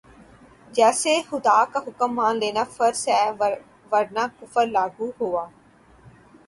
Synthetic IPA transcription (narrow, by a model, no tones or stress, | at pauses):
d͡ʒɛːsexʊd̪aːkaɦʊkəmːaːnleːnaːfəɾsɦɛː | ʋəɽnaːkʊfəɾlaːɡuːɦoːaː